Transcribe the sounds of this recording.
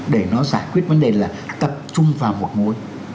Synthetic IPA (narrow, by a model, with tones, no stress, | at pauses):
ɗe˧˩nɔ˨˦zaː˧˩jkwi˦˥ət̚və˨˦nɗe˨˩laː˨˩t̪ə˨˩p̚t͡ɕʊ˧ŋ͡mvaː˨˩wmo˨˩t̚mu˨˧˦əj